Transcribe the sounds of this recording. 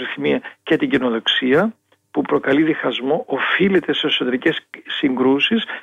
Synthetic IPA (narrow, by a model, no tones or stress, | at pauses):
ɾiθimiɐcet̪iɟino̞ðo̞ksiɐ | pupɾo̞kɐliðixɐzmo̞ʔofile̞t̪e̞sesot̪e̞ɾice̞ssiŋɡɾusis